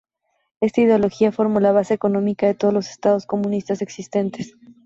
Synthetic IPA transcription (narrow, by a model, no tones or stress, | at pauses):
e̞st̪aið̞eolo̞xiafo̞ɾmolaβ̞ase̞eko̞nõ̞mikaðet̪oð̞ozlo̞se̥st̪að̞o̞sko̞mũnist̪ase̞ksist̪e̞nt̪es